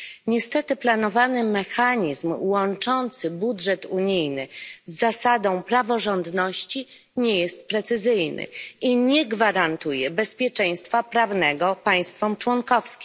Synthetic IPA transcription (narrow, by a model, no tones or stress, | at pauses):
ɲɛst̪ɛt̪ɘplanɔvanɘmɛxaɲizmwɔnt͡ʂɔnt̪sɘbudʐɛt̪uɲijnɘzːasad̪ɔ̃w̃pɾavɔʐɔnd̪nɔɕt͡ɕi | ɲɛjɛst̪̚pɾɛt̪sɘzɘjnʔɘ̰ʔiɲɛɡvaɾant̪ujɛbɛspʲjɛt͡ʂɛj̃st̪fapɾavnɛɡɔpaj̃st̪fɔmt͡ʂwɔnkɔfskʲi̥